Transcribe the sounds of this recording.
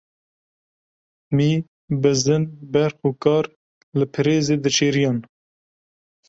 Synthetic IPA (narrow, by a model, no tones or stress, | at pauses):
miː | bɨzɨnbɛɾxuːkɑːɾ | lɨpʰɨɾeːzeːd̪ɨt͡ʃʰeːɾijɑːn